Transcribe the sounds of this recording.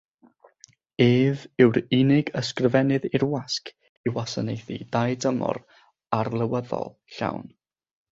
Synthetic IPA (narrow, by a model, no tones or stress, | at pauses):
eːvɪwɾɪnɪɡəskrəvɛnɨðɪrwaskʰ | iwasanejθḭd̥ajdəmɔ̰ɾ | arlˠəwəðɔ̰lˠ | ɬa̰wn